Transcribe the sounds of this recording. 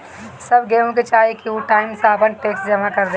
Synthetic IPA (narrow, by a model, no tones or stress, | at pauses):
sɐbɡeːmõk̬et͡ʃaːekiuʈaːɪmsaːpənʈeːksd͡ʒɐmakɐɾd̪e